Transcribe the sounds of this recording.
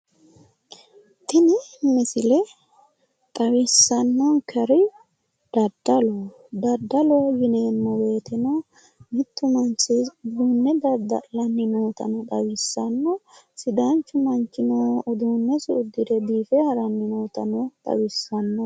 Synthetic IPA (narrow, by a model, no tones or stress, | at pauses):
t̪ɪnɪmɪsɪlɛ | t̪ʼɐwɪsːɐnːɔŋkʰɐɾɪ | d̪̥ɐd̪ːɐlo | d̪ɐd̪ːɐlɔɡɪneːnːɔwe̞ːt̪ɪnɐ | mɪt̪ːʊmɐnt͡ʃɪd̪uːnːɛd̪ɐd̪ɐ̰lɐnːɪno̞ːt̪ɐ̰nɔt̪ɐwɪsːɐnːɔ | sɪd̪ɐnt͡ʃːʊmɐnt͡ʃːɪnoɔd̪uːnːɛsɪʊd̪ːɪd̪ɛb̪iːfɛhɐɾɐnːɪnoːt̪ɐnɔt̪ʼɐ̰wɪsːɐnːɔ